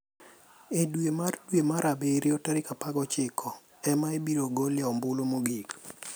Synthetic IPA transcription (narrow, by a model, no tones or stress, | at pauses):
edwemardwemaɾabeɾiotaɾɪkapaɡɔt͡ʃɪkʰɔ | ɛmaebiɾoɡɔlɪaɔmbʊlomoɡik